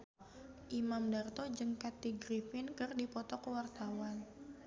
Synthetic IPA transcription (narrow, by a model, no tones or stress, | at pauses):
ʔimamdart̪ɔd͡ʒɨŋkat̪iɡɾifɪnkɨrdipɔt̪ɔkəwart̪awan